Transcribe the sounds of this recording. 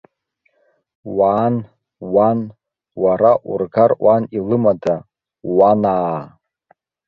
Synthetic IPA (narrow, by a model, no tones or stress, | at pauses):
waːn | wan | waɾaʔurɡarʔʷwʷanilɨmada | wanaː